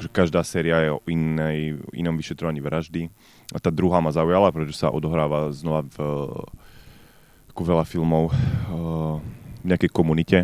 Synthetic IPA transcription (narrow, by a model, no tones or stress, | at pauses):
kʒɛkaʒd̪aːsɛːɾiajɛɔʔinɛjʔḭnɔmʋiʃɛt̪ɾɔʋaɲiʋɾaʒd̪i | t̪aːd̪ɾuɦamazaujalapɾɛt̪ɔʒɛsa̰ʔɔd̪ɔɦɾaːʋaznɔʋav | kuʋɛlafilmɔʊ | vɲɛakɛjkɔmunicɛ